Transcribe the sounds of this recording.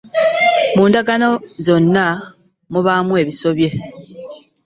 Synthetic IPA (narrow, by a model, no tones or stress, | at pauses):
muːndaɡanozo̞nːa | muβamue̞ːβiso̞βje̞